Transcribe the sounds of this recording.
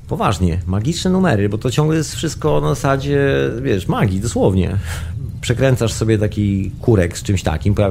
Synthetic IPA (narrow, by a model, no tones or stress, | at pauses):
pɔva̰ʐɲɛmaɡʲit͡ʂnɛnumɛɾɨbɔt̪ɔt͡ɕɔ̃ŋɡlɛjɛst̪fʂɘst̪̚kɔnazasad͡ʑɛvʲjɛʂmaɡʲid̪ɔswɔvɲɛ̰pʂɛkɾɛnt̪saʂsɔbʲjɛt̪akʲikuɾɛkst͡ʂɘmɕt̪a̰kʲimpɔja